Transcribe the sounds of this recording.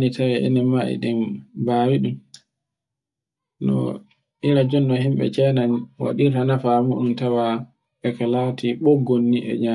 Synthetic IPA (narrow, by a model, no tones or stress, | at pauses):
nitawɛʔɛ̰nɛmaʔɛ̰ɗɛmbaːɾiɗum | nɔ̰ | ʔiɾad͡ʒɔnːɔɦimɓɛ̰t͡ʃɛnanwa̰ɗitanafamuɗumtawa | ɓɛkalatʰiɓɔɡonːiʔɛ̰ɲa